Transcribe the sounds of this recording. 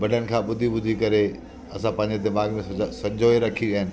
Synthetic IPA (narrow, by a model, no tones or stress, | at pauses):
bɐɖʱənɪ̆kʰãːɓʊd̪ʱibʊd̪ʱikɐɾe | ɐsãpɐ̃ɦɪ̃ɲd͡ʑed̪ɪmaːɡmẽsɐd͡ʑʱoːeɾɐkʰiɗiːɦɪnɪ̆